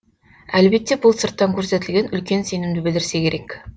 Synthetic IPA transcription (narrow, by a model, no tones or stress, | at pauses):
ælbet̪ːe̞bʊlˠsəɾt̪ːɑŋkʲʰɵɾse̞t̪ɪlɡʲe̞nʏlkʲe̞nse̞nɪmd̪ɪbɪlɪɾse̞kʲʰe̞ɾek